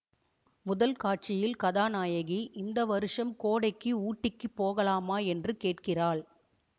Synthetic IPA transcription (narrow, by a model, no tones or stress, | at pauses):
mʊðɐlkaːʈ̚t͡ʃɪjɪlkɐðaːnaːjɐɣiʔɪnd̪ɐʋɐɾɯʂɐmkoːɽɐɪkːɯuːʈːɪkːɯpːoːɣɐlaːmaːɛndrɯkeːʈkɪraːɭ